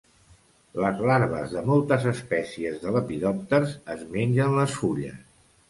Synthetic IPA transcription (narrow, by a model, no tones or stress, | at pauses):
ləzlaɾβ̞ə̰zðəmɔlˠt̪əzəspɛsiəzðələpiðɔp̚t̪əɾzəzmenʲd͡ʒənləsfuʎə̰s